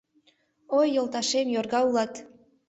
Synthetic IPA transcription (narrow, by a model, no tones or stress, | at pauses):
ojːŏlˠt̪ɑʃemjorɣɑulˠɑt̪